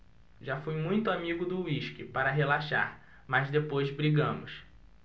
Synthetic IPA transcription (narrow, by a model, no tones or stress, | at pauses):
ʒafujmũj̃t̪ʊamiɡʊd̪ʊiʃkɪpaɾɐɦelaʃa̰ɾ | mazd̪epojzbɾiɡɐ̃mʊs